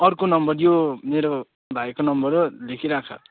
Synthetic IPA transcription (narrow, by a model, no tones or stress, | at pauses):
ʌrkonʌmbʌrjomeɾo | d̪ʱajkonʌmbʌɾlekʰiɾakʰʌ̰